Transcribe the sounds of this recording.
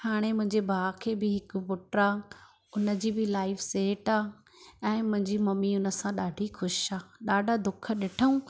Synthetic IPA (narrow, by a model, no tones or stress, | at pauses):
haːɽ̃emʊ̃ɦɪ̃ɲd͡ʑebʱaːkʰeːbɪɦɪkbʊʈəɾaː | ʊnə̆d͡ʑiːbɪlaːɪfseːʈaː | ɛ̃ːmʊ̃ɦɪ̃ɲd͡ʑimɐmiʊnəsãɗaːɖʱixʊʃaːɗaːɖʱad̪ʊkʰə̆ɗɪʈʰəũ